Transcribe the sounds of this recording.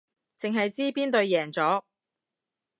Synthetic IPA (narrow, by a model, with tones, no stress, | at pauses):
t͡sɪ˨ŋɦɐ˨jt͡siː˥piː˥nt̪ɵ˧ɥjɛː˨˩ŋt͡sɔː˨˥